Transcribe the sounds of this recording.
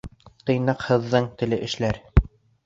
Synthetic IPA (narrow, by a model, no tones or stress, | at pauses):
t̪ɤ̆jnɑqhɤ̆ðːɤɴt̪ɘ̆lɘʔɘ̆ʃlæɾ